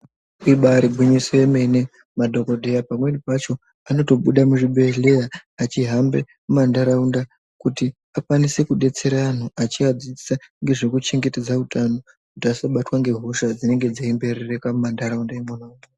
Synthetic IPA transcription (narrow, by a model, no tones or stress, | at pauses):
iɓaɾibʱuɲisojeme̞ne̞ | madʱo̞kodʱe̞japamwe̞nipat͡ʃo̞ | ano̞to̞ɓuɗamuʐiɓe̞ɮe̞jaːt͡ʃiɦambe̞ | mumandaɾaunda | kuti | akwanise̞kuɗe̞t͡se̞ɾaːn̤oʔat͡ʃiad͡ziisaŋɡe̞ʐekut͡ʃe̞ŋɡete̞d͡zautano̞ | kutiasaɓatwaŋɡe̞ɦoʃad͡zine̞ŋɡe̞d͡zeimbe̞rerekamumandaɾaundaemonauna